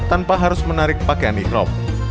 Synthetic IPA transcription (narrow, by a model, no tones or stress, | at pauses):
t̪anpaɦaɾʊsmənaɾɪk̚pakeanikɾɔ̰p̚